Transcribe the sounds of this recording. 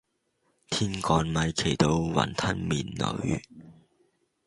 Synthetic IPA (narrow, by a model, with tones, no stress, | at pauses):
t̪ʰiː˥nkɔː˧nmɐ˨˧jkʰe˨˩jt̪o˧wwɐ̰˨˩nt̪ʰɐ˥nmiː˨nlɵ̰˨˧ɥ